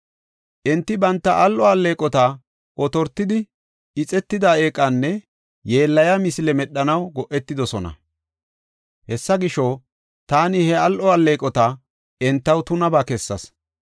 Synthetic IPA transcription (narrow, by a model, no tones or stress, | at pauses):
ʔɛnt̪ːɪbɐnt̪ːɐʔɐlʔɔɐlːe̞ːkʼɔt̪a | ʔɔt̪ɔɾt̪ːɪd̪ɪ | ɪt͡sʼɛt̪ːɪd̪aeːkʼːɐnːɛ | jeːlːɐjɐmɪsɪlɛmɛɗːɐnɐwɡɔʔɛt̪ːɪd̪ɔsɔnɐ̰ | hɛsːɐɡɪʃow | t̪aːnɪhɛɐlʔɔɐlːe̞ːkʼɔt̪a | ɛnt̪ːɐwt̪ʊnɐbakɛsːɐs